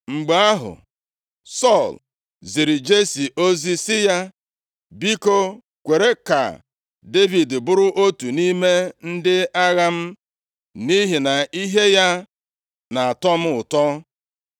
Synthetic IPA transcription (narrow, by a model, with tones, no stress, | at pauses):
ŋ͡m̩˨ɡ͡ba˨a˦ɦʊ̰˨ | sɔ˦˨l | zi˨ɾi˨d͡ʒe˦si˨ʔo˦zi˦sɪ˦ja˦ | bi˦ko˦ | kʷe˨ɾe˦ka̰˨ | de˦vi˨dbʊ˦ɾʊ˦ʔo˦tu˨ni˦me˦n̩˦dɪ˦a˦ɣa˦m̩˦ | ni˦ɦi˨na˨i˦ɦe˦ja˦ | na˨a˨tɔ˦m̩˦ʊ˨tɔ˦